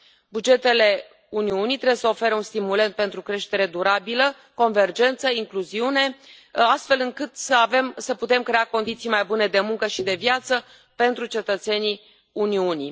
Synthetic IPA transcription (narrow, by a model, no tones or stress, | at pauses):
bud͡ʒe̞t̪e̞le̞ | uniunijt̪ɾebwjesəo̞fe̞ɾeunst̪imule̞nt̪̚pe̞nt̪ɾukɾe̞ʃt̪e̞ɾe̞d̪uɾabilə | ko̞nve̞rd͡ʒe̞nt̪səiŋkluziune̞ | ast̪fe̞lɨŋkɨt̪səave̞msəput̪e̞mkɾe̞ako̞nd̪it̪sijmajbune̞d̪e̞muŋkəʃid̪e̞vjat̪sə | pe̞nt̪ɾut͡ʃe̞t̪ət̪se̞ni | uniuni